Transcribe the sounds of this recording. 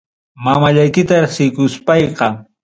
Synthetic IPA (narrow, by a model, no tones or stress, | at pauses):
mamaʎajkɪt̪aɾeχsɪkʊspɑjqɑ